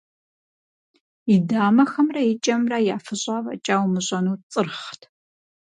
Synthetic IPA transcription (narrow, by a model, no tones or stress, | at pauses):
idaːmɐxɐmrɐjɪt͡ʃʼɐmrajaːfɨɕʼaːvɐ̰t͡ʃʼaːwmɨɕʼɐnuːt͡sʼɨrχtʰ